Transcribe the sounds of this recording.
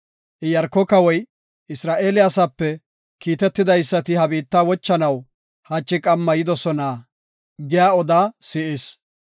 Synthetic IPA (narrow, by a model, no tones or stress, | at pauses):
ʔɪjɐɾkːɔkɐwɔj | ʔɪsɾaːʔe̞ːlɪjasɐpːɛ | kiːt̪ɛt̪ːɪd̪ɐjsːɐt̪ɪhɐbiːt̪ːaːwɔt͡ʃːɐnɐw | hɐt͡ʃʼːɪkʼɐmːɐjɪd̪ɔsɔna | ɡɪjaːɔd̪aːsɪʔes